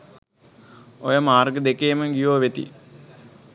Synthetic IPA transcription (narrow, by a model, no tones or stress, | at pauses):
ojəmaːrɡəd̪ekeːməɡijoːʋet̪ḭ